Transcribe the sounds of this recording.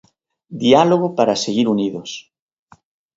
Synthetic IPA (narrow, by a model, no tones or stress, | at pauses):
d̪ialoɣ̞opaɾaseɣiɾuniðos